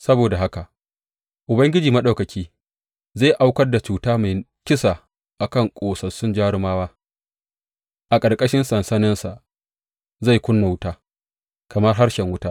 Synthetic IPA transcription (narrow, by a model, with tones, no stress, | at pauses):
sɐ˦boː˨da˨ɦa˦ka˨ʔ | ʔʊ˨bɐ˦ŋɡʲɪ˦d͡ʒiː˨mɐ˦ɗa˨wkɐ˨kʲʰiː˦ | zaː˦˨jʔa˦wkɐ˦rda˨t͡ʃuː˨taː˦ma˨j | kʲɪ˦sa˨ | ʔa˨kɐ˦˨ŋkʷʼoː˨sɐ˨sʊ˦nd͡ʒaː˦ɽɪ˦maː˦waː˦ | ʔa˨kʼɐ˨rkʼɐ˦ʃɪ˦nsɐ˨nsɐ˦nɪ˦nsa˨ʔ | za˦˨jkʷʊ˦nːa˨wʊ˦taː˦ | kɐ˨mɐ˦rɦa˦ɽʃɛ˨ŋwʊ˦taː˦